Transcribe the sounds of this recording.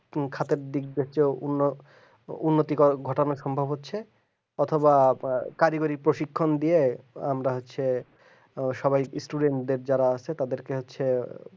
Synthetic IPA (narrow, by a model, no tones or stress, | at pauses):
kʰat̪eɾd̪ik̚bet͡ɕouno | unːot̪ikɔɡʱɔʈonaʃɔmbʱabʱɦotːɕʰe | ɔt̪ʰobakaɾiɡoɾipɾoʃikʰːond̪ijeamɾaɦotːɕʰe | ʃɔbajsʈuɖeɳʈd̪eɾd͡ʑaɾaat͡ɕʰet̪ad̪eɾkeɦotːɕʰe